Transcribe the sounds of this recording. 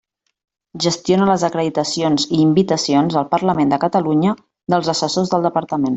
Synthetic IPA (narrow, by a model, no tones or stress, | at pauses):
ʒəst̪jonələzəkɾəðit̪əsionziːmbit̪əsionzəlˠpəɾləmend̪əkət̪əluɲə | d̪əlˠzəsəsozðəlˠd̪əpəɾt̪əmen